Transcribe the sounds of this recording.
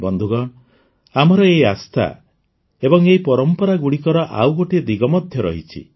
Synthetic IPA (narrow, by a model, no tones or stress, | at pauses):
bɔnd̪ʱuɡɔɳ | amɔɾɔeiast̪ʰa̰ | ebɔŋeipɔɾɔmpɔɾaɡuɽikɔɾɔʔa̰wɡoʈid̪iɡɔmɔd̪ʱjɔɾɔ̰ɦit͡ʃʰḭ